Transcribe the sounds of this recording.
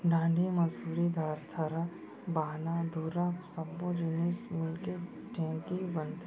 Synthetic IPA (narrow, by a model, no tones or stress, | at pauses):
ɖãːɳɖʱimɐsuːɾid̪ʱaːɾt̪ʰɐɾa | baːnad̪uːɾasɐbːõd͡ʒɪnismɪlke | ʈʰɛ̃ːkibə̃nt̪